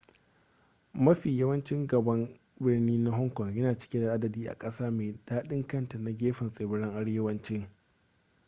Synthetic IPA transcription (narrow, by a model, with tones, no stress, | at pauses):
mɐ˦ɸiː˨jɐ˦wɐ˦nt͡ʃɪ˦ŋɡɐ˨bɐ˦m | bɪ˦rniː˦na˦ɦɔ˦ŋkʷɔ˨ŋjɐ˦naː˨t͡ʃɪ̥˦kʲe˦da˨ʔa˦dɐ˨diː˦ʔa̰˨kʼɐ˦saː˦meː˨d̥aː˦ɗɪ˦ŋkɐ˦nta˨na˦ɡʲeː˦ɸɪ˨nsʼeː˨bɪ˦ɽɪ˦ŋʔa˦ɽjɐ˦wɐ˦nt͡ʃɪ˦ŋ